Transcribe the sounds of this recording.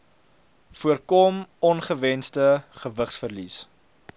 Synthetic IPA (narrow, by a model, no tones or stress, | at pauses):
fuərkɔmɔnχəvɛnstəχəvəχsfərlis